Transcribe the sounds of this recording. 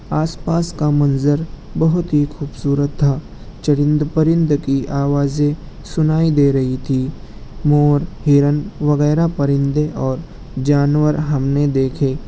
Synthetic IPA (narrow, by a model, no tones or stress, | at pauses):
aːspaːskamɐ̃nzəɾ | bɐɦʊt̪ɦikʰuːbsuːɾət̪ʰːaː | t͡ʃəɽɪ̃nd̪pəɾɪ̃nd̪kiʔaːʋaːzẽ | sʊnaːid̪eːɾɐɦit̪ʰimɔːɾɦɪɾənʋɐɣɛːɾapəɾɪ̃nd̪eʔɔːɾ | d͡ʒaːnwəɾɦɐmned̪eːkʰeː